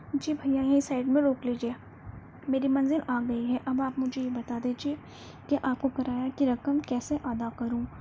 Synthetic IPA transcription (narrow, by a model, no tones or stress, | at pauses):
d͡ʒiːbʱɐjãjɐɦĩsaːɪɖmẽɾoːkliːd͡ʒieː | meːɾimɐ̃nzɪlaːɡɐiɦɛʔɐbaːpmʊd͡ʒʱejebɐt̪ad̪iːd͡ʒie | keʔaːp̚kokɐɾaːjakiɾɐkəmkɛːseʔaːd̪akɐɾũː